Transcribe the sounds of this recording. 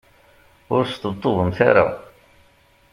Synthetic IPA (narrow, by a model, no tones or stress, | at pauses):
ʊɾst̪əbt̪ˤːoðˤəmθa̰ɾa̰